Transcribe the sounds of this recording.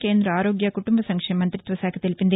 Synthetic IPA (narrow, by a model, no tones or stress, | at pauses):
keːnd̪ɾɐaːɾoɡjɐkuʈumbɐsɐŋkʂemɐnt̪ɾit̪ʋɐsaːkʰɐt̪ilpind̪e